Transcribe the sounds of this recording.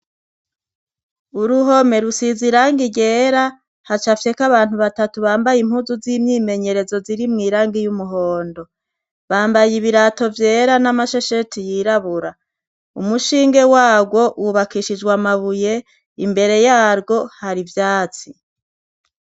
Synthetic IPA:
uɾuɦo̞me̞ɾusiziɾaːŋɡiɟe̞ːɾa | hat͡ʃafje̞kaβaːn̥huβatatuβaːmbajim̥huːzuziːmɲiːme̞ɲe̞ɾe̞zo̞ziɾimŋiːɾaːŋɡijumuɦo̞ːndo̞ | βaːmbajiβiɾato̞vje̞ːɾanamaʃe̞ʃe̞tijiɾaβuɾa | umuʃiːŋɡe̞waːbɡwo̞wuβakiʃid͡ʒɡwamaβuje̞ | imbe̞ɾe̞jaːɾɡo̞haɾivjaːt͡si

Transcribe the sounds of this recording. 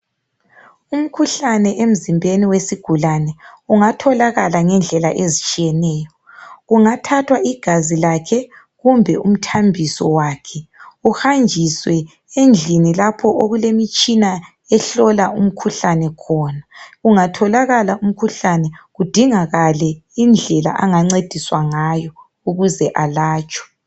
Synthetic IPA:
um̩kʰuɬanɛʔem̩zimbʱeniwesiɡ̥ʱulanɛuŋatʰɔlaɣalaŋɛnd͡ɮʱɛlaʔezit͡ʃʼijɛnɛːjɔ | ɣuŋatʰatʰwaiɡ̥ʱazilakʰɛ | ɣumbʱɛum̩tʰambʱisɔ̰wakʰɛuhand͡ʒʱiswɛ | end͡ɮʱinilapʰɔʔoɣulemit͡ʃʼina | ɛɬɔlaum̩kʰuɬanɛkʰɔnaɣuŋatʰɔlaɣalaum̩kʰuɬanɛɣud̥ʱiŋaɣalɛind͡ɮʱɛla̰ʔaŋaŋ͡ǀed̥ʱiswaŋajɔ | uɣuzɛʔalaːt͡ʃʰʼɔ̥

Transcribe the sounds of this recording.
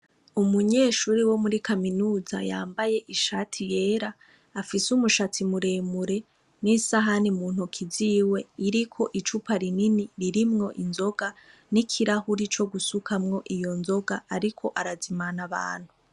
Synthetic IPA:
umuɲe̞ːʃuːɾiwo̞muɾikʰaminuːzajaːmbaje̞ʔiʃatʰije̞ːɾaː | fisumuʃatimuɾe̞ːmuɾe̞ | nisaɦanimuːn̥ukʰiziːwe̞iɾikʰo̞ʔit͡ʃupaɾininiɾiɾimŋo̞ʔinzo̞ɡanikʰiɾahuɾit͡ʃo̞ɡusukʰamŋo̞ʔijo̞nzo̞ɡaaɾikʰo̞ʔaɾazimanaβa̰ːn̥hu

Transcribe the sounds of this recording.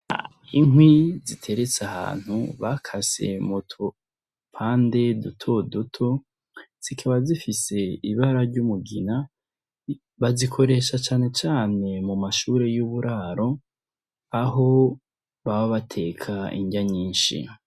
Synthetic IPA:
a̰ | iŋwizitʰe̞ɾet͡saha̰ːn̥hṵβakʰase̞̰mutʰo | pʰaːnde̞dutʰo̞dutʰo̞ | z̥ikʰaβazifise̞iβaɾaɾɟumuɡina | βazikʰo̞ɾe̞ʃat͡ʃaːne̞t͡ʃaːne̞mumaʃuɾe̞juβuɾʔaɾo̞ | aɦo̞ | βaβaβatʰe̞kʰaḭɲɟaɲiːnʃḭ

